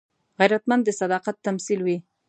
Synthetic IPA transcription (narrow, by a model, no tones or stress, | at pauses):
ɣajɾat̪mand̪ːəsad̪ɑqat̪ːamsilwi